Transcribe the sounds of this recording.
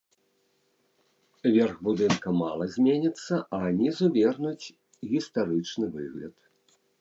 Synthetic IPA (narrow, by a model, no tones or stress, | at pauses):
vʲɛrɣbud̪ɨnkɐma̰lˠɐzʲmʲenʲit̪sːɐʔɐnʲizuvʲɛrnut͡sʲ | ɣʲist̪aɾɨt͡ʂnɨvɨ̰ɣlʲɐ̰t̪